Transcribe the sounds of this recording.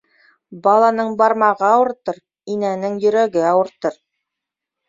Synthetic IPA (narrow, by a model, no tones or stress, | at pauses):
bɑlˠɑnɤɴbɑɾmɑʁɤɑwɤ̆ɾt̪ɤɾ | inænɘŋjɵ̆ɾæɡɘɑwɤ̆ɾt̪ɤɾ